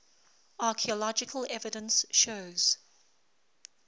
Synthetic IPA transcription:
ɑːˑkʰiəlɔd͡ʒɪkʰəlɛvɪdə̃nsʃoʊz̥

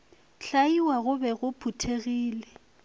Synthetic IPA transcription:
ɬaiwaɣʊbɛɣʊpʰutʰeɣiːlɛ

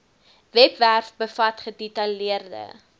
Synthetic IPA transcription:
vɛpværfbəfɐtχədɛtɐliərdə̰

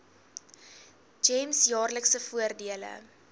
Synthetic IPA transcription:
d͡ʒɛmsjɑːrləksəfuərdiələ̰

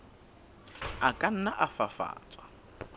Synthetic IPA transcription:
akʼan̩naʔafafa̰ːt͡sʼwa

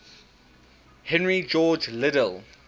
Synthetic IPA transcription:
hɛ̃nɹid͡ʒɔːd͡ʒlɪdəlˠ

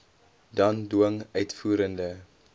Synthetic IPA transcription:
dɐnduəŋœɥtfuːɾəndə

